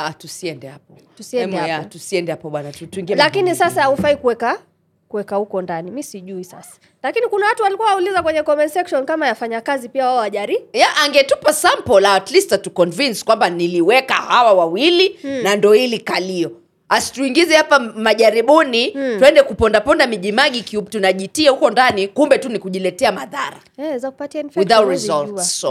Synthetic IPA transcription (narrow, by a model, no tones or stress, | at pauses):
atusiɛndɛhap̚ɔ | tusiɛnmajatusiɛndɛhapɔɓwanatuiŋɡiɛlakinisasahaufaikuwɛka | kuwɛkahukɔndanimisiʄuisasḁ | lakinikunawatuwalikuwaaulizakwɛɲɛkɔmɛnsɛkʃɔnkamajafaɲakazipiawaɔaʄaɾijaʔaŋɡɛtupasampɔlaatlistatukɔnvinskwambaniliwɛkahawawawilinandɔhilikaliɔ | asi̥tuiŋɡizɛhapamaʄaɾiɓunituɛndɛkupɔndapɔndamiʄimaɠikiutunaʄitiahukɔndanikumbɛtunikuʄilɛtɛamaðaɾaɛzakupatianfwiθawtɾizɔlts